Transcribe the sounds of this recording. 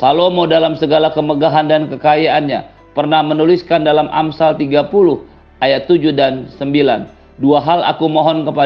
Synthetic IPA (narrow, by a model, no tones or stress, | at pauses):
salomodalamsəɡalakəməɡaɦandankəkajaanɲa | pərnahmənuliskandalamʔa̰msalt̪iɡapulʊh | ʔajat̪ːud͡ʒʊhdansəmbilan | duaɦala̰kumɔɦɔnkəpa